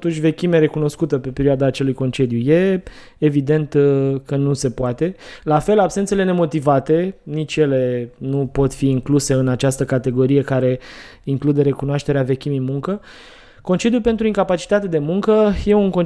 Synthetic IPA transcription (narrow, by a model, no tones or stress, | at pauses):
t̪unʃʲt͡ʃʲve̞kʲime̞ɾe̞kuno̞skut̪əpe̞pe̞ɾioad̪aːt͡ʃe̞lujko̞nt͡ʃe̞d̪juje̞ː | vid̪e̞nt̪kənuse̞poat̪e̞lafe̞labsent̪se̞le̞ne̞mo̞t̪ivat̪e̞nit͡ʃʲje̞le̞nupo̞t̪fiːŋkluse̞ɨnat͡ʃast̪əkat̪e̞ɡo̞ɾije̞kaɾe̞ | iŋklud̪e̞ɾe̞kunoaʃt̪e̞ɾeave̞kʲimijmuŋkə | ko̞nt͡ʃe̞d̪jupe̞nt̪ɾuiŋkapat͡ʃi̥t̪at̪e̞d̪e̞muŋkəje̞uŋkon